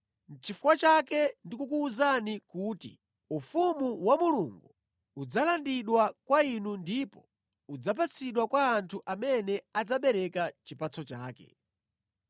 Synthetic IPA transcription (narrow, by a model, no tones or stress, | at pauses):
n̩t͡ʃifuwat͡ʃakɛndikuk̬uːzanikuːtḭ | ufumuwamuluŋɡu | ud͡zalandiɗwakwainundipɔ | ud͡zap̬at͡sʰiɗwakwaːntʰuʔamɛnɛad͡zaɓɛɾɛkat͡ʃipat͡sʰɔt͡ʃaːkɛ̰